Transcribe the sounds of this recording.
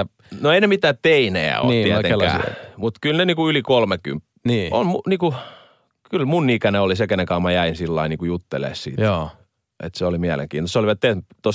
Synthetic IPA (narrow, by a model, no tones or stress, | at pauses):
noeinemit̪æːt̪eineæ̰o̰it̪ːiæeæ̰ːˑmut̪kylneniːkuylikolmeky̰mp | niːo̰nmuniːku | kylmunːikæneolisekenekɑumɑjæinsilːɑiniːkujut̪ːelḛːˑssḭː | ʔḛt̪seolimiælḛŋkiːnt̪ostːoliʋɑt̪t̪et̪t̪os